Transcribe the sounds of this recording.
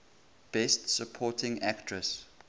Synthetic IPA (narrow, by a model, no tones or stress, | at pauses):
b̥ɛstsəpʰɔtɪ̃ŋæktʰɹəs